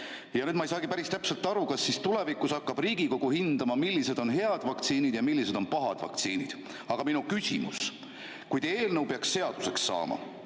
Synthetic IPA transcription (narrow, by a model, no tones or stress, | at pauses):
jɑnyːd̪mɑejsɑːɡ̥ipæɾist̪æpse̞lt̪ˑːɑɾukɑsːist̪ule̞vikːˑusɑkːɑb̥riːɡ̥iko̞ɡ̥uhind̪̥ɑmɑmilːise̞d̪̥o̞nɦe̞ɑd̪̥vɑk̚t̪siːnid̪̥jɑmilːise̞d̪̥o̞npɑɦɑd̪̥vɑ̰kt̪siːnid̪̥ | ɑɡ̥ɑminukysʲḭmṵs | kujd̪̥e̞ːlnɤwpeɑksːe̞ɑd̪̥use̞ksːɑ̰ːmɑ̰